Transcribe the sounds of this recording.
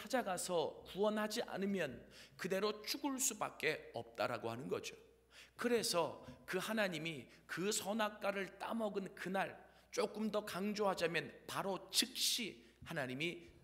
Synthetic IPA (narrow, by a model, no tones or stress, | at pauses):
t͡ɕʰad͡ʑaɡasʰʌkuwʌnɦad͡ʑiʔa̰nɯmjʌnkɯde̞ɾot͡ɕʰuɡɯɭs͈uba̰k̚k͈e̞ʌp̚t͈aɾaɡohanɯnɡʌ̰d͡ʑo | kɯɾe̞sʰʌkɯhanaɲimikɯsʰʌnak͈aɾɯɭt͈a̰mʌɡɯnkɯnaɭ | t͡ɕ͈ok͈ɯmdʌkaŋd͡ʑoɦad͡ʑamjʌnpaɾot͡ɕɯk̚ɕ͈i | hanaɲimi